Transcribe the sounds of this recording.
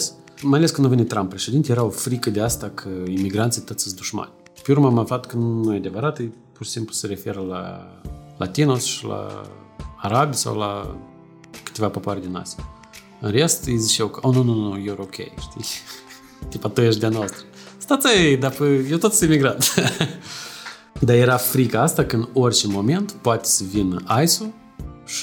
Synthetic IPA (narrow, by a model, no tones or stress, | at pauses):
s | majaleskɨnuvenʲit̪ːɾampːɾeʃed̪int̪ejeɾaofɾikəd̪east̪akʰəimiɡɾanijt̪ot̪sɨsʲd̪uʃma̰nʲ | peurmamaflat̪kənunujead̪e̞vəɾat̪ɨj | purʃi̥simplusəɾe̞fe̞ɾəla̰ | la̰t̪inosʃila̰ː | ɾabʲijsa̰wla̰ | kɨ̥t̪ʲevapopoaɾʲed̪ʲina̰sʲi | ɨnre̞st̪ijzit͡ʃewkəonununujorokʲʰḛjʃt̪i | t̪ʲipat̪ujeʃd̪eanoost̪ɾə | st̪at̪sajejd̪apəjewt̪ot̪semiɡɾat̪ | d̪aje̞ɾafɾikaast̪akəɨno̞rʲt͡ʃe̞mo̞me̞nt̪poat̪ʲe̥səvinəʔajsu | ʃi